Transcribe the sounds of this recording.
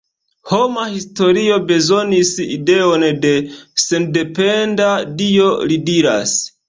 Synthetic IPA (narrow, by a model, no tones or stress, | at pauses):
ho̞mahisto̞ɾio̞be̞zo̞nisḭde̞o̞nde̞se̞nde̞pe̞ndadio̞lidiɾa̰s